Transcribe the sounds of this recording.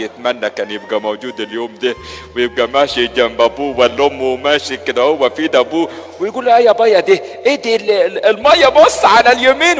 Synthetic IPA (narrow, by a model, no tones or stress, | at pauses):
jɪt̪mænːækæːnjeb̚ɡæmowd͡ʒuːd̪eljoːmd̪iwejɪb̚ɡæmæːʃid͡ʒæmbæbuːwælːomːumæːʃiked̪æhowːæfiːd̪æbuːwɪjɡuːlʔæjæbɑjːɑd̪iʔed̪ilelmæjːɑbosˤːʕalæljæmiːn